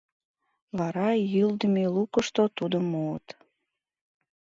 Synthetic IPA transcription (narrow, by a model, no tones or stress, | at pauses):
βɑɾɑjyld̪əmelukəʃt̪ot̪ud̪əmuə̰t̪